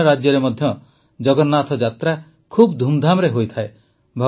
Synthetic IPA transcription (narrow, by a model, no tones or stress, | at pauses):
ɔɾad͡ʒjɔɾemɔd̪ʱjɔ | d͡ʒɔɡɔnːat̪ʰɔd͡ʒat̪ɾa | kʰubd̪ʱumd̪ʱamɔɾeɦojt̪ʰae | bʱɔ